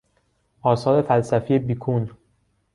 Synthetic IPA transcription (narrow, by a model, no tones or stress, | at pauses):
ʔɒːsɒːɾe̞fælsæfiːjebiːkʰun